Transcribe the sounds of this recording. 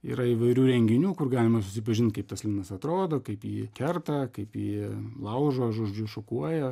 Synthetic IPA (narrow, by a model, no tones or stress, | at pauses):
ḭːɾɐiːʋɐɪɾʲuːɾʲɛŋʲɡʲɪnʲuːkʊrɡɑːlʲɪmɐsʊsʲɪpɐʒʲɪnt̪̚kɐɪp̚t̪ɐslʲɪnɐsɐt̪ɾoːd̪oːkɐɪpjiːkʲɛrt̪ɐkɐɪpjiːlˠɐʊʒoːʒoːd͡ʒʲʊʃokuɔjɛ